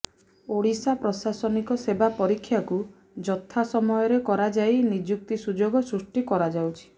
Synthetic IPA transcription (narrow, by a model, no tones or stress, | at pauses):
oɽisapɾɔsasɔnikɔsebapɔɾikʰːjaku | d͡ʒɔt̪ʰːasɔmɔjɔɾekɔɾad͡ʒajnid͡ʒjuk̚t̪isud͡ʒoɡɔsɾusʈikɔɾad͡ʒawt͡ʃʰi̥